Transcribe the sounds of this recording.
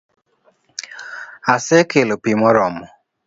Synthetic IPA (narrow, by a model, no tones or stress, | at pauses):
asɪkelopimɔɾɔmʊ